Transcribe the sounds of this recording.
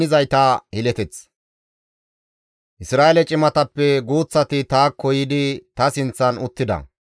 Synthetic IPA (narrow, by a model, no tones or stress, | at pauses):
ɪzɐjt̪ɐhɪlɛt̪ɛt͡s | ʔɪsɾaːelɛt͡ʃʼɪmɐt̪ɐpːɛɡuːt͡sːɐt̪ɪt̪aːkʰːɔjɪd̪ɪt̪ɐsɪnt͡sːɐnʊt̪ːɪd̪ɐ̰